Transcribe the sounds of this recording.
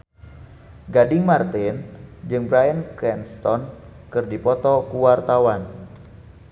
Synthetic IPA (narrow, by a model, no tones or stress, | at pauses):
ɡadɪŋmart̪ɪnd͡ʒɨŋbɾajənkɾɛnst̪ɔnkɨrdipɔt̪ɔkuwart̪awan